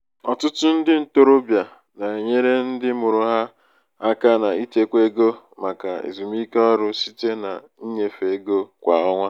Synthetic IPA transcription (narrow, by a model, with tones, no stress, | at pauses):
ɔ˨tʊ˦tʊ˦n̩˦dɪ˦n̩˨to˦ɾo˦bja˨ | na˨e˨ɲe˦ɾe˦n̩˦dɪ˦mʊ˨ɾʊ˨ɦa˦ | a˦ka˦na˨i˦te˦kʷe˦ɡo˦ | ma˨ka̰˨ḛ˨zu˨mi˦kɔ˦ɾʊ˦si˦te˦na̰˨ | i˦ɲe˨fe˨˦ɡo˦kʷa˨ɔ˦ŋʷa˦